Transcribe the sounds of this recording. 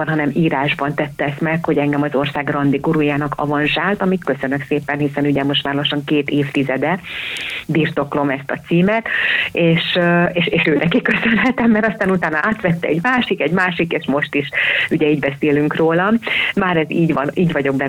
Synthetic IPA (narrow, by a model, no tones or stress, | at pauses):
nɦɒnɛmiːɾaːʒbɒnt̪ɛt̪ːɛɛsmɛkho̞ɟɛŋɡɛmɒzo̞rsaːɡrɒnd̪iɡuɾujaːnɒkʰɒ̰vɒnʒaːlt̪ɒmikkːøsø̞nøkseːpɛnɦisɛnuɟɛmo̞ʃt̪ʋaːɾloʃɒŋkeːt̪eːft̪izɛd̪ɛ | biːrt̪o̞klo̞mɛst̪ɒt̪siːmɛt̪eːʃeːʃeːʃøːt̪ɛkikø̞sø̞nɦɛt̪ɛmːɛɾɒst̪aːnut̪aːnɒʔaːt̪ʋɛt̪ːɛɛɟmaːʃikɛɟmaːʃikeːʃmo̞ʃt̪iʃuɟɛiːɟbɛseːlyŋkroːlɒmmaːɾɛziːɟʋɒniːɟʋɒɟo̞ɡ̚bɛ